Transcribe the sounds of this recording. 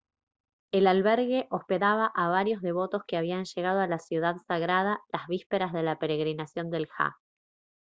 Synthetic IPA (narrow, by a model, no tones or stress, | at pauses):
elalβeɾɣe̞ʔo̞spe̞ðaβ̞aʔaβaɾjo̞zðe̞β̞o̞t̪o̞skeaβianʃe̞ɣað̞oalasjuðaðsaɣɾað̞alazβispe̞ɾazðe̞lape̞ɾe̞ɣɾinasjo̞nd̪e̞lxa̰